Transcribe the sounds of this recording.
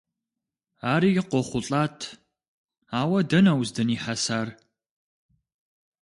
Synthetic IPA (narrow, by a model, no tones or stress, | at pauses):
aːɾiːjɪqʷɔχʷʊɬʼaːtʰ | aːwɐdɐnɐwzdɨniːħasaːr